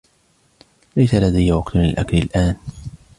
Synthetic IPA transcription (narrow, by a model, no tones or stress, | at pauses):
lajsalad̪ajːwɑqt̪lɪ̰lʔaklɪlʔaːn